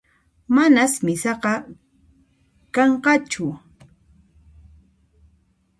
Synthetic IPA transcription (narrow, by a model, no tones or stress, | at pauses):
manasmɪsɑqɑ | kɑɴqɑt͡ʃʊ